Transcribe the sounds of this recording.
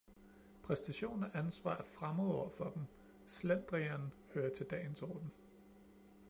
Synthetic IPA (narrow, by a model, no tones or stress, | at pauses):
pʰʁɛsd̥æɕo̝̰ːnæʔænsʋɑ̰̈ːæfʁamoð̩ˠɒ̰ɐfɒ̽d̥em̩ | slend̥ʁiɐn | høːɐt͡sʰe̝ld̥ɛ̰ɪnsɒ̰ːd̥n̩